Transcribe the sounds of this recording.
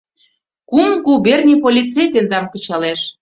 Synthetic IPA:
kumɣuβernʲipolʲit͡sejt̪end̪ɑmkə̆t͡ɕɑleʃ

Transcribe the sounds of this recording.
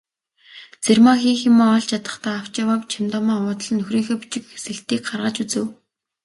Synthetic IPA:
t͡sermaxiːximoːɔɮt͡ɕʰat̪ə̥̆χt̪aːaw̥t͡ɕawawt͡ɕʰamt̪ɔmaːʊːt̪̆ɮnːɵxriːŋxeːpu̥t͡ɕɪ̆kxe̥sɘ̆ɬt̪iːk̚ɢarʁaːt͡ɕut͡sɘ̆w

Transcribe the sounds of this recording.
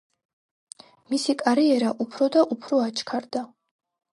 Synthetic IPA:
misikʼaɾiɛɾaʔupʰɾɔd̪aʔupʰɾɔat͡ʃʰkʰaɾd̪a

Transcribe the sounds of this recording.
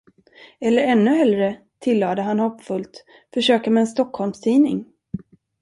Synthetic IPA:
ɛlːəɾɛnːɵɦɛlɾə | t̪ʰɪlːɑːd̪əɦanhɔpːfɵlt̪ | fœʂøːkamɛːnst̪ɔkhɔlmst̪ʰiːnɪ̰ŋ

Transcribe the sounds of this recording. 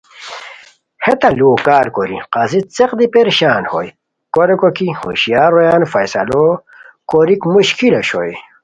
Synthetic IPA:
het̪ɐluokaːɾkoɾḭqazit͡seqd̪ipeɾɕaːnho̰j | koɾekokiho̰ɕijaːɾojaːnfɐjsɐ̰lo | koɾikmuɕkʰilɐɕo̰j

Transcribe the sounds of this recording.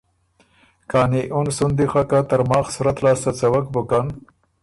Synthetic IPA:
kɑːniʔunsund̪ixakat̪aɾmɑːxsuɾat̪lɑːst̪at͡sawak̚bʊkan

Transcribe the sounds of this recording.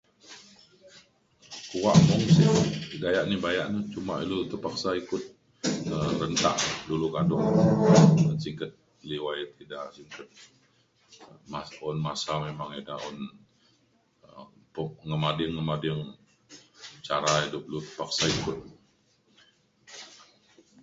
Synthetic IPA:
kuwaʔmʊŋsiɡajaʔnibajaʔnit͡ʃuma̰ilut̪əpaksaikʊt̪̚ | əɾənt̪a̰ʔdulukadʊʔ | əsiŋkət̪̚ | liwajt̪idaʔsiŋkət̪̚ | maɔnmasamemaŋedaɔn | puŋəmadɪŋːəmadɪŋ | t͡ʃaɾaidʊp̚lut̪ə̥pak̚saikʊt̪̚

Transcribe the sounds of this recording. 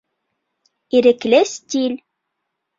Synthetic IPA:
iɾɘ̆klʲestʲilʲ

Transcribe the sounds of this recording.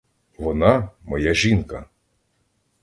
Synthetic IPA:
ʋɔnɑmɔjaʒʲinkɐ

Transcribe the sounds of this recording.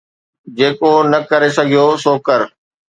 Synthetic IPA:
d͡ʑeːkonɐkɐɾesɐɡʱijosoːkəɾ

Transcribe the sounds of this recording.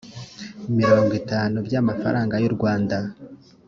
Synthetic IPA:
imiɾo̞ːŋɡitaːnubjamafa̰ɾʔaːŋɡajuɾɡwaːnda

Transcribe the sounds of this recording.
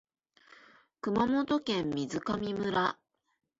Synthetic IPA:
kɯ̟mamo̞t̪o̞kẽ̞mːʲizɨkamʲimɯɾa

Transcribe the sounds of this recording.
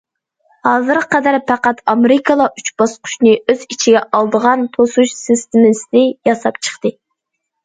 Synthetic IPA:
hɑːzɨɾqɛd̪æɾpʰæqæt̪ɑmeɾɪkʰɑlˠɑʔyt͡ʃbɑsqʰʊ̥ʃnɨøzit͡ʃʰiɡʲɛʔɑlˠd̪əʁɑnt̪ʰosuʃsɪst̪ɪmɪsɪd̪ɪjɑsɑpt͡ʃʰə̥χt̪ɨ

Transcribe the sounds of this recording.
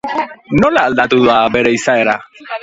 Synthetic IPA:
nolaːld̪at̪uðabeɾeisaeɾa

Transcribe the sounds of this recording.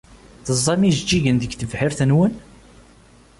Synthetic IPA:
θəzˤːɑmiʒd͡ʒːiʝənðəɡθəvħiɾθənwən

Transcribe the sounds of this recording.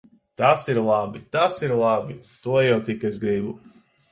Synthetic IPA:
t̪asiɾlˠabit̪asiɾlˠabit̪uɔjawt̪ikezɡɾibu

